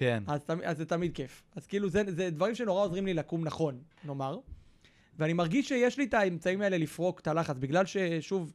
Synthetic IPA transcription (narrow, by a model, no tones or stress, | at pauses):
kenazt̪amiazːet̪amid̪̚ke̞fazkiːluzezed̪vaʁimʃe̞no̞ʁao̞zʁimlilakumnaχo̞n | no̞maʁ | veanimaʁɡiʃːejeʃlit̪aemt͡saimae̞le̞lifʁo̞kt̪alaχat͡sbiɡlalʃe̞ʃuv